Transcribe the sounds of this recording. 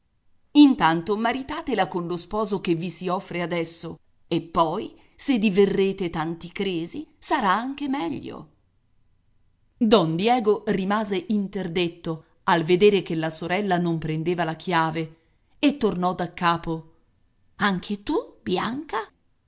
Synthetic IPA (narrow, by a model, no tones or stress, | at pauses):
int̪ant̪omaɾit̪aːt̪elakonlospɔːzok̟evisiɔfːɾead̪ɛsːo | epːɔj | sed̪iverːeːt̪et̪ant̪ikɾeːzisaɾaaŋk̟emɛʎːo̰ | d̪ɔnd̪jɛːɡorimaːzeʔint̪erd̪et̪ːo | alved̪eːɾek̟elːasoɾɛlːanompɾend̪eːvalakʰjaːve | et̪ːornɔd̪akːaːpo | aŋkʰet̪ubjaŋka